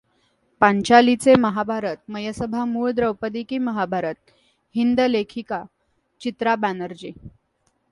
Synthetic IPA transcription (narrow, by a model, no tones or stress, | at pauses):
pãɲt͡ɕalit͡seməɦabʱaɾət̪̚məjəsəbʱamuːɭd̪ɾəwpəd̪ikiːməɦabʱaɾət̪̚ | hind̪əlekʰika | t͡ɕit̪ɾabænəɾd͡ʑiː